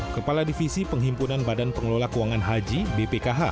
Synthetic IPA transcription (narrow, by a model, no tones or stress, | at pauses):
kəpaladifisipəŋɦimpunanbadanpəŋəlolakuwaŋanɦad͡ʒibepekaɦa